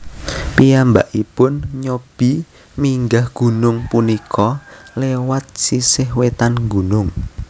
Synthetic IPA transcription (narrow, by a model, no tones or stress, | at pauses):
pijambaʔipʊnɲob̥i | miŋɡahɡ̥ṳnʊŋpunikʰɔlewat̪̚sisɪɦwet̪anŋɡunʊŋ